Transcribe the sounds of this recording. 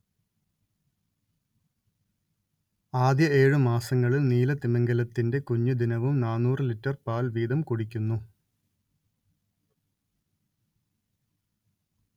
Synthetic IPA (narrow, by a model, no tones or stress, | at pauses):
aːd̪jɐe̞ːɻumaːsɐŋːɐɭiniːlɐt̪imɐŋɡɐlɐt̪ːinde̞kuɲːud̪inɐʋumnaːnːuːrɨlitːɐrpaːlʋiːd̪ɐmkuɽikʲːunːu